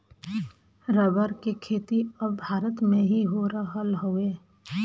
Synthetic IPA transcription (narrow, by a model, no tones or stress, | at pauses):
ɾəbəɾkekʰeːt̪iɐbbʱaːɾət̪mẽɦiɦoɾaɦəlɦoeː